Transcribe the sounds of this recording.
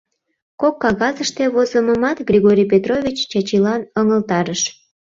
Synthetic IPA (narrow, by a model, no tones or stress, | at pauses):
kokːɑɣɑzəʃt̪eβozəməmɑt̪ɡrʲiɣoɾʲijpet̪rovʲit͡ɕt͡ɕɑt͡ɕilɑnəŋəlt̪ɑɾəʃ